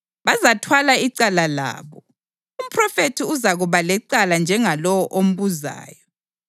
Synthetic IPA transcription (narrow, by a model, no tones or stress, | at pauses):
βazatʰwalaiǀalala̰ːβɔ | um̩pʰrɔfetʰiuzaɣuβalɛǀaland͡ʒʱɛŋalɔwɔʔom̩βuza̰ːjɔ